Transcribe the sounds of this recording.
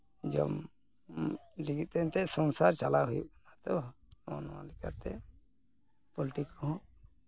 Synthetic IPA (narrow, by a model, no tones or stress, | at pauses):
d͡ʒɔ̰m | ɖiɡit̪ɛnt̪ɛsɔŋsaɾt͡ʃalaɦujubɔnat̪ɔ | ɔnɔwa̰lɛka̰ɾt̪ɛ | pɔliʈikɔɦɔ̃